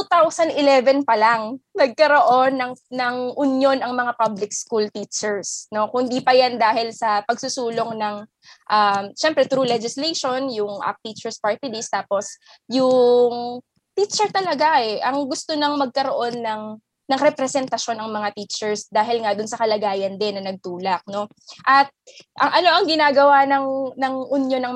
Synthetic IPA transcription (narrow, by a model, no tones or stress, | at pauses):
ut̪awsɐnd̪ɪlɛvɛnpɐlaŋnɐɡ̚kɐɾo̞ʔo̞nːɐŋnɐŋʔʊnjo̞nɐŋmɐŋapablɪk̚skult̪iːt͡ʃɛɹsno̞kʊnd̪ipɐjand̪aːhɪlsɐpɐɡsusuːloŋnɐŋ | ʔamʃɛmpɾɛt̪ɾuːlɛd͡ʒɪslejʃo̞njʊŋʔɐ̰k̚t̪it͡ʃɛɹspaɹt̪ɪd̪ist̪aːpo̞s | jʊŋ | t̪iːt͡ʃɛɹt̪ɐlɐɡaʔɛʔɐŋɡʊst̪onɐŋmɐɡ̚kɐɾoʔo̞nːɐŋ | nɐŋɾɛpɾɛsɛnt̪ɐʃo̞nʔɐŋmɐŋat̪iːt͡ʃɛɹsd̪aːɦɪlŋad̪ʊnsɐkɐlɐɡaːjɐnd̪ɪnːɐnɐɡ̚t̪uːlɐk̚no̞ | ʔɐt̪̚ʔɐŋʔɐno̞ʔɐŋɡɪnaːɡɐwanɐŋnɐŋʔʊnjo̞nɐŋ